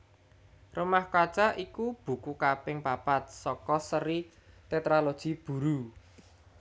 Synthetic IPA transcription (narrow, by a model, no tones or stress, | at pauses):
rumahkḁt͡ʃaʔikub̥ṳkukapɪŋpapat̪̚sɔkɔsəɾi | t̪et̪ɾalod̥ʒ̥i̤b̥ṳɾu